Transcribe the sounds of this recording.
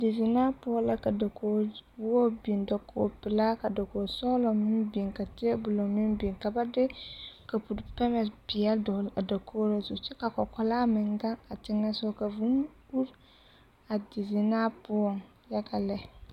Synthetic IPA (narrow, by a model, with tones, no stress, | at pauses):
di˨zɪ˨naː˦pʊ˦ɔ˦la˨ka˨da˨koː˨˦o˦bi˨nda˨kʰo̰ː˨pɪ˨laː˦ka˨do˨koː˨sɔː˦lɔ˨mɪ˦mbi˨ŋka˨tɪ˦ɛ˦bʊ˨lo˨mɪ˦mbi˨ŋka˨ba˦dɪ˦ka˨pu˨ɾpɛ˦mɛ˨spɪ˨ɛ˦dɔ˨a˨da˨kʰoː˦ɾe˦zu˨t͡ʃɛ˦ka˨kɔ˨kɔ˨laː˦mɪ˨ŋɡa˦ŋa˨tɪ˦ŋa˦sʊ˦ka˨vu˦n | u˦ɾ | a˨di˨zi˨naː˦pʊ˦ɔ˦ŋ | jɛ˦ka˨lɛ˦